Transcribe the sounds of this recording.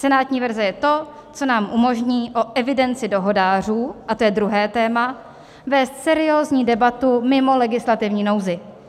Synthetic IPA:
sɛnaːt̪ɲiːvɛɾzɛjɛt̪o̞ | t͡so̞naːmʔumo̞ʒɲiːʔo̞ʔɛvɪdɛnt͡sɪdo̞ɦo̞daːr̝uːʔat̪o̞jɛdɾuɦɛːt̪ɛːma | vɛːst̪sɛɾɪoːzɲiːdɛbat̪umɪmo̞lɛɡɪslat̪ɪvɲiːno̞wzɪ

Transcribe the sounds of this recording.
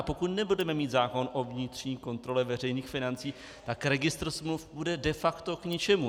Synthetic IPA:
po̞kut̪nɛbudɛmɛmiːt̪zaːko̞nʔo̞vɲɪt̪r̝̥ɲiːko̞nt̪ɾo̞lɛvɛr̝ɛjniːxfɪnant͡siː | t̪akɾɛɡɪst̪ɾsmlufbudɛdɛfakt̪o̞kɲɪt͡ʃɛmu

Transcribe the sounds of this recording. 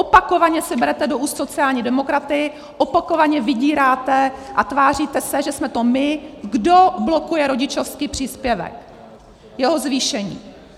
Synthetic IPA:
ʔopako̞vaɲɛsɪbɛɾɛt̪ɛdoʔuːst̪so̞t͡sɪaːlɲiːdɛmo̞kɾat̪ɪ | ʔopako̞vaɲɛvɪɟiːɾaːt̪ɛʔat̪vaːr̝iːt̪ɛsɛʒɛsmɛt̪o̞mɪɡdo̞blo̞kujɛɾo̞ɟɪt͡ʃo̞fskiːpr̝̥iːspjɛvɛ̰k | jɛɦo̞zviːʃɛɲḭː

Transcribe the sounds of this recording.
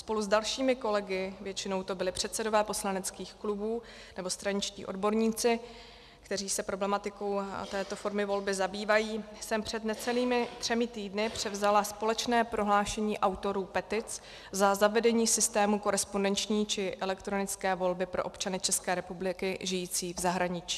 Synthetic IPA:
spo̞luzdalʃiːmɪko̞lɛɡɪvjɛt͡ʃɪno̞wt̪o̞bɪlɪpr̝̥ɛt̪sɛdo̞vɛːpo̞slanɛt͡skiːxklubuː | nɛbo̞st̪ɾaɲɪt͡ʃcḭːʔo̞̰dbo̞ɾɲiːt͡sɪ | kt̪ɛriːsɛpɾo̞blɛmat̪ɪko̞wt̪ɛːt̪o̞fo̞ɾmɪvo̞lbɪzabiːvajiːsɛmpr̝̥ɛd̪nɛt͡sɛliːmɪt̪r̥ɛmɪt̪iːdnɪpr̝̥ɛvzalaspo̞lɛt͡ʃnɛːpɾo̞ɦlaːʃɛɲiːʔawt̪o̞ɾuːpɛt̪ɪt͡s | zazavɛdɛɲiːsɪst̪ɛːmuko̞ɾɛspondɛnt͡ʃɲiːt͡ʃɪʔɛlɛkt̪ɾonɪt͡skɛːvo̞lbɪpɾo̞ʔo̞pt͡ʃanɪt͡ʃɛskɛːɾɛpublɪkɪʒɪjiːt͡siːvzaɦɾaɲɪt͡ʃi̥ː

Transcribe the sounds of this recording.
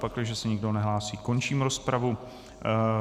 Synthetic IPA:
paklɪʒɛsɛɲɪɡdonɛɦlaːsiːko̞nt͡ʃiːmɾo̞spɾavu

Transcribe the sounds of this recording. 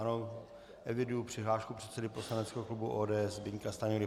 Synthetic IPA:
ano | ʔɛvɪdujupr̥ɪɦlaːʃkupr̥ɛt̪sɛdɪpo̞slanɛt͡skɛɦoklubuʔoːdɛːɛzbɪɲkast̪aɲuɾɪ

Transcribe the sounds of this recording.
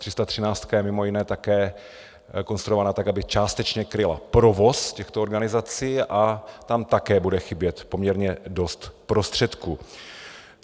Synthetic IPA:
t̪r̥ɪst̪at̪r̝̥ɪnaːt͡st̪kajɛmɪmojɪnɛːt̪akɛː | ko̞nst̪ɾuovaːnat̪akabɪt͡ʃaːst̪ɛt͡ʃɲɛkɾɪla̰pɾovo̞scɛxt̪ooɾɡanɪzat͡siːʔat̪amt̪akɛːbudɛxɪbjɛt̪po̞mɲɛɾɲɛdo̞st̪pɾo̞st̪r̥ɛt̪kuː

